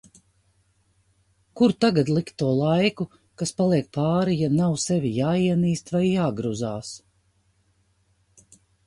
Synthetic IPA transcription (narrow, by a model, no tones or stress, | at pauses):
kuɾt̪aɡad̪lˠikt̪ːuɔlˠajku | kaspalˠiɛk̚paːɾijanawsɛvʲijaːiɛniːst̪vajːaːɡɾuzaːs